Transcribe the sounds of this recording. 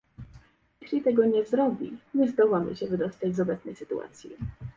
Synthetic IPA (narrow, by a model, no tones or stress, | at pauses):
ɛɕlʲit̪ɛɡɔɲɛzɾɔbʲḭɲɛzd̪ɔwamɘ̰ɕɛvɘd̪ɔst̪ad͡ʑzɔbɛt̪snɛjsɘ̥t̪ua̰t̪sʲjḭ